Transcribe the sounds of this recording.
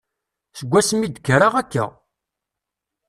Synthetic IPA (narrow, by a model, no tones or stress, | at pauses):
səɡʷːæsmid̪əkːɾaʁækːa̰